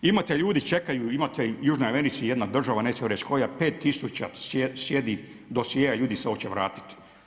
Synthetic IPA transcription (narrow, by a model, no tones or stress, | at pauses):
imat̪eʎuːd̪it͡ʃe̞kajuimat̪ejuːʒnojeʋenit̪sijed̪nad̪r̩ʒaʋaneːt͡ʃeoɾet͡ʃkʰo̞japeːt̪ːisut͡ʃa̰sjesjed̪i | d̪osjeːjaʎuːd̪iseo̞t͡ʃeʋɾaːt̪i̥t̪i̥